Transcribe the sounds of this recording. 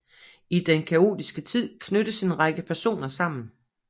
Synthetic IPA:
id̥enkʰæo̝̰ːd̥isɡ̥ət͡sʰið̞̰ˠkʰnøɾəse̝nʁɑɡ̥əpʰæɐso̝̰ːnɐsɑ̈m̰n̩

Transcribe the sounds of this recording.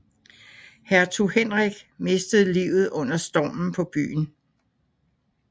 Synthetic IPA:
hæɐt͡sʰuhenʁɛɡ̥me̝sd̥əð̩ˠliʊð̞̩ˠɔ̽n̰ɐsd̥ɒ̰ːmn̩pʰɒ̽b̥y̰ːn̩

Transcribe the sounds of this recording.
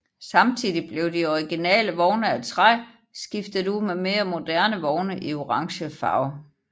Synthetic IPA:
sɑ̈mt͡sʰiːðˠib̥le̝ʊd̥iɒʁiɡ̥inɛ̰ːləʋɒʊnəæt͡sʰʁɑɪ | sɡ̥ifd̥əd̥umeme̝ːɐmo̝d̥æɐnəʋɒʊnəʔio̝ʁɑ̈ŋɕəfɑ̰̈ʊ

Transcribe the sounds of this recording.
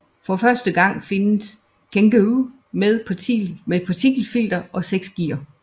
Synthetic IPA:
fɒ̽fɶɐsd̥əɡ̥ɑ̈ŋ̰fe̝nəs | kʰeŋɡ̥əu | meðˠpʰimeðpʰɑ̈t͡sʰiɡ̥l̩fil̰d̥ɐʔɒ̽seɡ̥sɡ̥ḭːɐ

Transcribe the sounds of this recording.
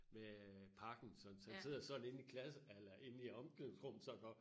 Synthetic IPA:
mepʰɑ̈ːɡ̥n̩sɒ̽nsæse̝ð̞̰ˠɐsɒ̽d̥n̩e̝nikʰlæs̬əælɐʔe̝niɒ̽mɡ̥lesʁɔm̰n̩sɒɡ̥ɒ

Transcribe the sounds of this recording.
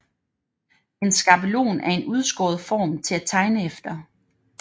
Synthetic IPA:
e̝nsɡ̥ɑ̈bəlo̝̰ːnæɐe̝nʔuð̞ˠsɡ̥ɔːð̞̩ˠfɒ̰ːmt͡sʰe̝læt͡sʰɑ̈ɪnəefd̥ɐ

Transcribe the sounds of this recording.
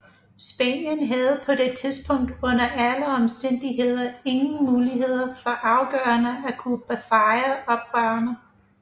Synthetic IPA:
sb̥ɛ̰njənɦæð̞̩ˠpʰɒ̽d̥e̝t͡sʰiðˠsb̥ʰɔ̽ŋ̰d̥ɔ̽n̰ɐʔæləɒ̽msd̥en̰d̥iɦe̝ð̞̰ˠɐe̝ŋn̩muːliɦhe̝ð̞̰ˠɐfɒ̽ʔɑ̈ʊɡ̥ɶːɐnəækʰub̥æsɑ̈ɪɐɒ̽b̥̚ʁœːɐnə

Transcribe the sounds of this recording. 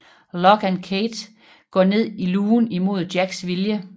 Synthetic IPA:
lɒɡ̥ænkʰeːd̥ | ɡ̥ɒ̰ne̝ð̞̰ˠiluːnimo̝ð̞ˠd̥jæɡ̥sʋiljə

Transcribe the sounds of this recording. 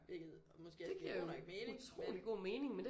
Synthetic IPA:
b̥eɡ̥ð̩ˠɒ̽mɔsɡ̥e̝̰d̥e̝kʰæjonɒɡ̥meːnut͡sʰʁo̝̰ːliɡ̥o̝̰ːme̝ːnɪ̝ŋmend̥e

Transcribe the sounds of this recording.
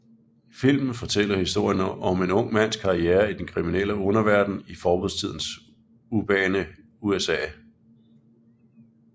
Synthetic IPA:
fil̰mn̩fɒ̽t͡sʰel̰ɐhisd̥o̝ɐ̰jənɒ̽me̝nɔ̽ŋ̰mæn̰skʰɑ̈ieːɐid̥enkʰʁiminel̰əɔ̽nɐʋæɐd̥n̩ifɒːb̥oð̰ˠt͡sʰið̰ˠn̩s | ub̥ɛːnə | uesɛ̰ː

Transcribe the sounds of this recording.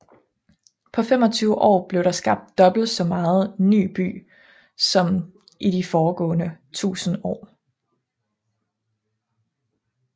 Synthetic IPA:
pʰɒ̽fem̰ɒ̽t͡sʰyːʊəʔɒ̰ːb̥le̝ʊɾ̥ɑ̈sɡ̥ɑ̈b̥̚d̥ːɒ̽b̥l̩̥sɒ̽mɑ̈ːð̞̩ˠny̰ːb̥y̰ː | sɒ̽m | ʔiɾifɒːɡ̥ɔ̰̽ːnət͡sʰṵːsn̩ɒ̰ː

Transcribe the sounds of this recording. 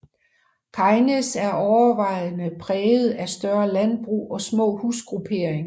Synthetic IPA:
kʰɑ̈ɪnesæɐʔɒʊɐʋɑ̈ɪ̰nəpʰʁɛːð̞̩ˠæsd̥ɶɐlænb̥ʁṵːɒ̽smɔ̰̽ːhusɡ̥ʁupʰe̝ɐ̰eŋɐ

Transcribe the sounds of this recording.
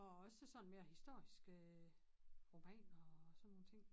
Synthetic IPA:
ɒ̽ɒ̽səsɒ̽nme̝ːɐhisd̥o̝ɐ̰isɡ̥ə | ʁo̝mɛ̰ːnɒsɒnːo̝ːnt͡sʰe̝ŋ̰

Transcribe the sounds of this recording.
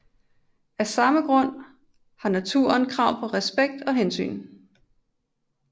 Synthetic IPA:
æsɑ̈məɡ̥ʁɔ̽n̰ | hɑ̈næt͡sʰṵːɐnkʰʁɑ̈ʊ̰pʰɒ̽ʁɛsb̥eɡ̥̚d̥ɒ̽ɦensy̰ːn

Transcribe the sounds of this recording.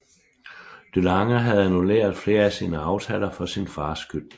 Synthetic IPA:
d̥ølɑ̈ŋɐɦæðˠænulḛːɐð̩ˠfle̝ːɐæsiːnəɑ̈ʊt͡sʰɛ̰ːlɐfɒ̽sinfɑ̈ːsɡ̥øl

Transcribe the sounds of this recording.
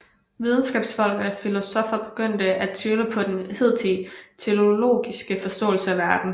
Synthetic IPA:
ʋið̞ˠn̩sɡ̥ɛ̰ːb̥sfɒ̽l̰ɡ̥ð̩ˠæfilo̝sɒ̽fɐb̥e̝̥ɡ̥øn̰d̥əʔæt͡sʰjyləpʰɒ̽d̥enhe̝ð̰ˠdʰit͡sʰe̝o̝lo̝̰ːɡ̥isɡ̥əfɒ̽sd̥ɔ̰̽ːl̩səæʋæɐd̥n̩

